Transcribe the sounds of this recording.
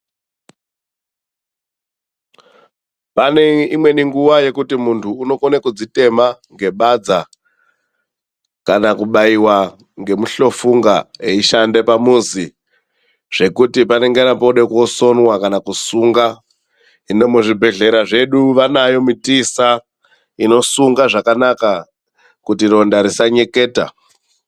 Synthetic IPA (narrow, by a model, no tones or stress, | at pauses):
pane̞imwe̞niŋɡuʋaje̞kutimuntʰuːno̞konekud͡zite̞maŋɡe̞ɓad͡za | kanakuɓaiwa | ŋɡe̞muɬo̞fuŋɡaeiʃande̞pamuzi | ʐ̥e̞kutipane̞ŋɡenapouɗeko̞so̞nwakanakusuŋɡa | ino̞muʐibʱe̞ɮe̞ɾaʐe̞ɗuʋanajo̞mitisa | ino̞suŋɡaʐakanaka | kutiro̞ndaɾisaɲe̞ke̞ːta̰